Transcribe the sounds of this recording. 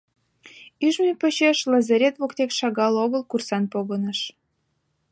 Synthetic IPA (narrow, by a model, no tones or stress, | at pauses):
yʒmepət͡ɕeʃlɑzeɾʲet̪βokt̪ekʃɑɣɑloɣəlkursɑnpoɣənəʃ